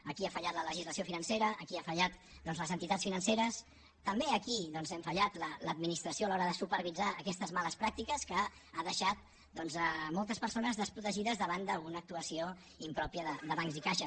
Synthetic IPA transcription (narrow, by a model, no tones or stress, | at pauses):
əkiafəʎat̪lələʒizləsiofinənseɾəːkiafəʎat̪̚ | d̪ɔnzləzənt̪it̪at͡ssfinənseɾəs | t̪əmbeəkiðɔnzɛmfəʎat̪lələd̪minist̪ɾəsioalɔɾəðəsupəɾβid͡zaəkɛst̪əzmaləspɾak̚t̪ikəskə | aðəʃat̪̚ | d̪ɔnzəmɔlˠt̪əspəɾsonəzðəspɾut̪əʒiðəzðəβ̞and̪əlunəːk̚t̪uəsio | impɾɔpiəðəd̪əβaŋkzikaʃə